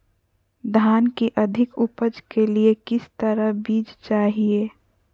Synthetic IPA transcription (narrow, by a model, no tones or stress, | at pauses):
d̪ʱaːnkiʔəd̪ʱɪkʊpəd͡ʒkeliekɪst̪əɾəbiːd͡ʒt͡ʃaːɦieː